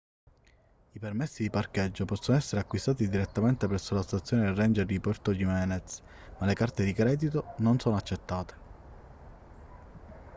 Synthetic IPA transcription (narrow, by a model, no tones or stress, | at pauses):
ipermɛsːid̪iparkɛd͡ʒːopɔsːonoɛsːeɾeakːwist̪aːt̪id̪iɾet̪ːament̪epɾɛsːolast̪at̪sːjoːneːrːɛnd͡ʒeɾd̪ipɔrt̪od͡ʒimɛːnɛt̪s | malekart̪ed̪ikɾɛːd̪it̪ononsɔːnoat͡ʃːet̪ːaːt̪e̥